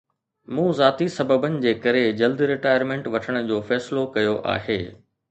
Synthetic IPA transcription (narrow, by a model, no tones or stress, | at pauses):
mũːzaːt̪isɐbəbənɪ̆d͡ʑeːkɐɾed͡ʑɐld̪ɾɪʈaːɪəɾmẽːɳʈʋɐʈʰəɽ̃ʊ̆d͡ʑoːfɛːsɪlokɐjoʔa̰ːɦḛː